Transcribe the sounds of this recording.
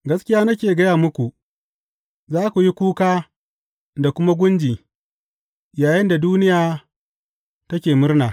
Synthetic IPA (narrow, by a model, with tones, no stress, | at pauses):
ɡɐ˦skʲɪ˦jaː˦nɐ˦k̬ʲeː˨ɡɐ˦jaː˨mʊ˦kʷu˨ | zaː˦kʷu˨ji˦kʷuː˦kaː˦ | da˨kʷʊ˦ma˦ɡʷʊ˦nd͡ʒiː˨ | jaː˨jɪ˦nda˨duː˦nɪ˦jaː˨ | tɐ˦kʲeː˨mʊ˦rnaː˨